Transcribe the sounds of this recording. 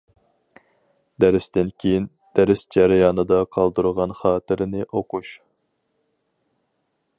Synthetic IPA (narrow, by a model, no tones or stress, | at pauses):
d̪æɾɪst̪ɪnkʲʰejin | d̪̥æɾɪsd͡ʒɑɾɑjɑːnɨd̪ɑqʰɑlˠd̪uɾʁɑnχɑːt̪ɪɾɪnɪʔoquʃ